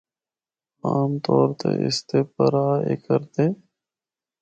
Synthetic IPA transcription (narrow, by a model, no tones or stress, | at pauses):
aːmt̪ɔːɾt̪ḛʔɪ̰st̪eːpəɾaːḛkəɾt̪eː